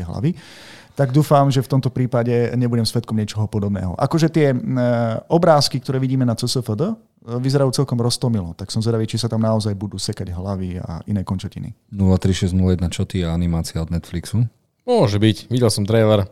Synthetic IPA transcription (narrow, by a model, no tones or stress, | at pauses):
ɛɦla̰ʋi | t̪aɡd̪uːfamʒɛft̪ɔmt̪ɔpɾiːpaɟɛɲɛbuɟɛmsʋɛt̪kɔmɲɪɛt͡ʃɔɦɔpɔd̪ɔbnɛ̰ːɦɔ̰ʔa̰kɔʒɛt̪ɪɛ | ɔbɾaːskikt̪ɔɾɛːʋiɟiːmɛnat͡səsəfəd̪ə | ʋizɛɾajuːt͡sɛlkɔmɾɔst̪ɔmilɔ̰t̪aksɔmzʋɛd̪aʋiːt͡ʃisat̪amnaɔzajbud̪uːsɛkaɟɦlaʋia̰inɛːkɔnt͡ʃacḭnḭnulat̪ɾiʃɛznulajɛd̪nat͡ʃɔt̪iɛanimaːt͡sɪaɔd̪̚nɛt̪fliksu | mʊɔʒɛbicʋiɟɛlsɔmt̪ɾɛʋɛɾ